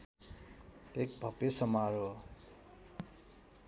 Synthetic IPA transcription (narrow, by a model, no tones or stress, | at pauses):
ek̚bʱʌpesʌmaɾo